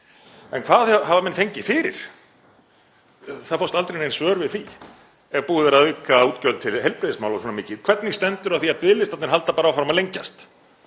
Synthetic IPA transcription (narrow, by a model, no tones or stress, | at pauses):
ɛnkʰvaːðahavamɛnːfejɲcɪfɪːɾɪ̰ɾ̥ | θaðfowst̪alt̪ɾejnejnsvœːɾvɪðθi | ɛvpuːðɪɾaðʏːkauːt̪cœlt̪ʰɪlhejlpɾɪðɪsmawlaswɔːnamɪːcɪðkʰvɛɾt̪nɪst̪ɛnt̪ʏɾaðθiaðpɪðlɪst̪at̪nɪɾɦalt̪apaːɾaawfɾamaðlejɲca̰st̪